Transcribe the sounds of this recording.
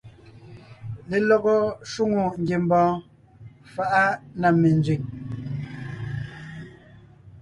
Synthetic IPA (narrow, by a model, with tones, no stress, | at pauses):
le˨lɔ˦ɣɔ˦ʃu˦ŋo˨ŋ̩˦ɡje˨m˦bɔ̃ː˨˦ | fa˦ʔa˦na˨me˨nd͡zɥi˨ŋ